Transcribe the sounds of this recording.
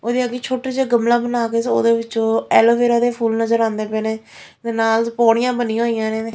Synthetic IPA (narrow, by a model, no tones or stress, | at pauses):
oːd̪iːəɡiːt͡ʃʰoːʈeːd͡ʒeːɡəmlãːbənaːkeːso̰ːd̪eːʋɪt͡ʃõːɛːloːbeːɾaːd̪eːpʰuːlnəzəɾãːnd̪eːpɛːneː | d̪eːnaːlpoːɽɪjãːbənĩːɦoːijãːnẽːeː